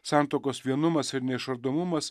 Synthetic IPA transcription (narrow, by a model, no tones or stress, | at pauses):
sʲɑˑnt̪oːkoːsʋʲiɛnʊmɐsɪɾnʲɛɪʃɐɾd̪oːmʊmɐs